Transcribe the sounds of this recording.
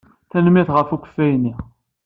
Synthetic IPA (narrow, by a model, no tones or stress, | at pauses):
θænmiθʁəfukʷə̥fːæjnːi